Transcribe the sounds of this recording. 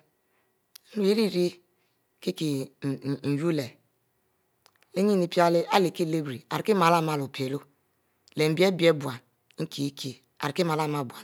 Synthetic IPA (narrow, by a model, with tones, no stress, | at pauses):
u˨e˦ɾi˦˨ɾi˦ | ki˦ki˨ | n̩˨ju˦le˨ | le˦ɲi˦ni˨pi˦a˦li˦a˦li˨ki˦˨le˦bɾi˨a˨ɾi˨ki˦m˨a˨la˦˨ma˦˨lo˨pe˨lo˦ | le˨m̩˨bi˦e˦bi˦e˦bu˨a˨n˦ | ŋ̩˦kʰi˨˦kʰi˦ | a̰˨ɾi˨ki˦ma˨la˦˨ma˦˨bu˨a˨